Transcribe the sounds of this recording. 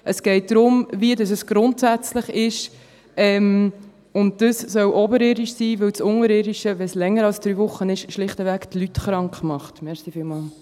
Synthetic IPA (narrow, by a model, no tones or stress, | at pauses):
ʔəsɡ̥ɛɪt̚dɾʊmviədɑsəsɡ̥ɾʊntsæt͡sləχɪʃ | ɛm | ʊnt̚d̥əssœwʔɔbəɾɪdiʃsiːʋɵwt͡sʊŋəɾɪdiʃəʋɛslɛŋːəɾɑlsd̥ɾyːvʊχːənɪʃʃlɪχtəvæːktlytχɾɑŋkχmɑχtmɛɾχsifɪlmɑːl